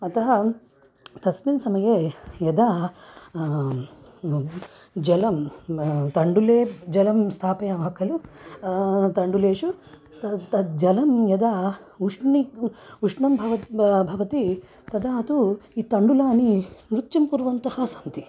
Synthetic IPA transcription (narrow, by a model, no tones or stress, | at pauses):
ɐt̪ɐɦɐ | t̪ɐsminsɐmɐjejɐd̪a | d͡ʒɐlɐm | t̪ɐɳɖuleːd͡ʒɐlɐmst̪ʰaːpɐjaːmɐkʰɐlu | t̪ɐɳɖuleːʂu | ɐt̪ɐd͡ʒɐlɐmjɐd̪auʂniuʂɳɐmbʱɐʋɐbʱɐʋɐt̪i | t̪ɐd̪aːɐt̪uit̪ɐɳɖulaːninɾut̪jɐmpuːɾʋɐnt̪ɐhɐsɐnt̪i